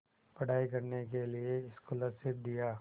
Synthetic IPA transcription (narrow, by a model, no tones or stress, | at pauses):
pɐɽ̤aːikɐɾnek̬elieɪskolɐsɪp̪̚d̪ijaː